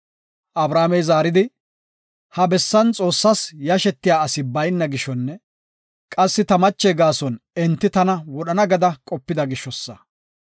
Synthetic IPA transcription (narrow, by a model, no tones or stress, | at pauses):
ʔɐbɾaːmɛjzaːɾɪd̪ɪ | hɐbɛsːɐnt͡sʼo̞ːsːɐsjɐʃɛt̪ːɪjaːɐsɪbɐjnːɐɡɪʃɔnːɛ | kʼɐsːɪt̪ɐmɐt͡ʃːɛɡaːsɔnɛnt̪ːɪt̪ɐnɐwɔɗɐnɐɡɐd̪ɐkʼɔpːɪd̪ɐɡɪʃːɔsːɐ